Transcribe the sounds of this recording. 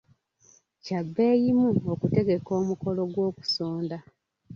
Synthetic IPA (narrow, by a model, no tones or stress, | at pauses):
cabːe̞ːjimuokute̞ɡe̞ko̞ːmuko̞lo̞ɡwo̞ːku̥soːnda